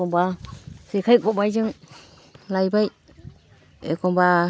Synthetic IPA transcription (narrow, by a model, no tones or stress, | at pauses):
ɔmbasekʰajkɔbajd͡ʒɯŋ | lajbaj | ekɔmba